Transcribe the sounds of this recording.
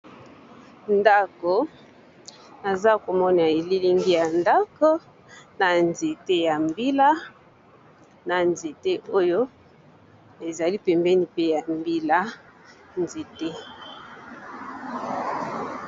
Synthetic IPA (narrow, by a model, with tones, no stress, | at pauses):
nda˦ko˨ | na˨za˦ko˨mɔ˦na˨e˨li˦li˦ŋɡi˦ja˨nda˦ko˦ | na˨nze˨te˦ja˨mbi˦la˦ | na˨nze˨te˦o˦jo˦ | e˨za˨li˦pɛ˨mbɛ˦ni˨pe˦ja˨mbi˦la˦ | nze˨te˦